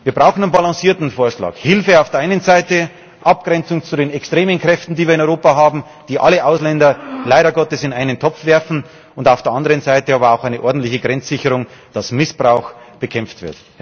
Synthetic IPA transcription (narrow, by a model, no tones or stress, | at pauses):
viːɐb̥ʁaʊxn̩anbalɑ̃siːɐtn̩foːɐʃlɑ̰ːkhɪlfəaʊfd̥eːɐʔaɪnənzaɪtə | ʔap̚ɡ̥ʁɛnt͡sʊŋt͡sudeːnɛkstʁ̥eːmənkʁ̥ɛftn̩diːviːɪnɔʏʁoːpaɦaːbm̩ | d̥iːʔaləʔaʊslɛndɐlaɪɾɐɡɔtəsɪnaɪnəntʰɔp͡fv̥ɛɐfn̩ | ʊndaʊfd̥eːɐʔɑndəʁənzaɪtəɑːbɐaʊxaɪnəʔɔɐdn̩tlɪçəɡʁɛnt͡sz̥ɪçəʁʊŋd̥asmɪsb̥ʁaʊxb̥əkʰɛmp͡ftv̥ɪ̰ɐt